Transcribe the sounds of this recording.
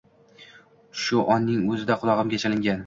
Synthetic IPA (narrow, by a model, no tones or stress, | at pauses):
ʃʊʔɒnːɪŋɵzɪd̪aqʰʊlˠɒʁɨmɡʲat͡ʃʰalɪŋɡʲan